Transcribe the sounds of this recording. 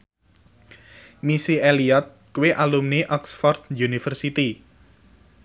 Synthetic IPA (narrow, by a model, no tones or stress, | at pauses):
misieliat̪̚kuweʔalumneʔɔksfɔrd̪̚junifərsit̪i